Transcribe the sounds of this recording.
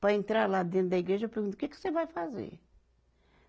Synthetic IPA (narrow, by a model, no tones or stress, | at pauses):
pɾɐẽnt̪ɾaɾlad̪ẽnt̪ɾd̪ɐiɡɾeʒɐewpeɾɡũt̪u̥kɛko̥sevajfazḛɾ